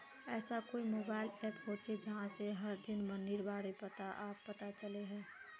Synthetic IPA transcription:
ɛːsakoːimoːbaːɪlɛːpɦoːt͡ʃed͡ʒəɦãseɦəɾd̪ɪnmə̃nd̪iɾbaːɽepət̪aʔaːpːət̪at͡ʃəleɦɛ̃ː

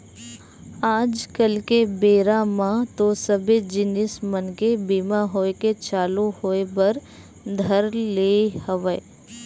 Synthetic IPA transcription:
aːd͡ʒkəlkebeːɾamãt̪osəbed͡ʒɪnɪsmənkebiːmaɦoːeket͡ʃaːluhoːebəɾ | d̪ʱəɾleːhəʋə

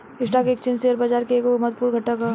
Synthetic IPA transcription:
ɪsʈaːkeːk̚t͡ʃɪnseɐɾbad͡ʒaːɾkeeːkomɐt̪̚puːɾɡʱɐʈːaka

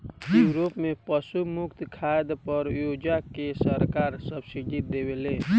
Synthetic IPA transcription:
juːɾopmẽpəsumʊkt̪kʰajd̪pəɾjod͡ʒakesəɾkaɾsəbsiɖid̪ebele

